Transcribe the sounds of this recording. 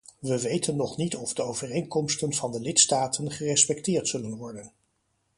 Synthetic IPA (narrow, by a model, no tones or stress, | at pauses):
ʋəʋejtənːɔχnitɔvdəowvərejŋkɔmstənvɑndəlɪtstaːtʰənχərɛspɛktɪːɹtsɵlənʋɔɹdən